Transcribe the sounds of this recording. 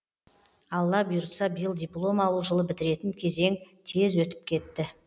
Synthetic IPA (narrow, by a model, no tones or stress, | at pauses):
ɑlˠːɑbijɾt̪sɑbijəlˠd̪ʲijplˠo̞mɑlˠuʒəlˠəbɪt̪ɪɾe̞t̪ɪnkʲʰe̞ze̞ŋt̪ʰe̞zwɵt̪ɪ̥p̚kʲʰe̞t̪ːɪ